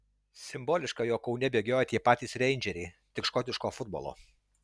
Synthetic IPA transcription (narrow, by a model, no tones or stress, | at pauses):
sʲɪmboːlʲɪʃkɑjoːkɒʊnʲɛbʲeːɡʲoːjɛt̪ʲiɛpɑːt̪ʲiːsɾʲɛɪnʲd͡ʒʲɛɾʲɛɪ | t̪ʲɪkʃkɔt̪ʲɪʃkoːfʊd̪̚bo̰lˠo̰ː